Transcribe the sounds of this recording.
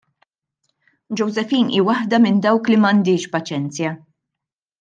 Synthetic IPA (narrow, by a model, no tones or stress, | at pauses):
d͡ʒɔwzɛfiːnḭːwɐħd̪ɐmɪnd̪ɐwklimɐnd̪ɪːʃpɐt͡ʃɛnt͡sjɐ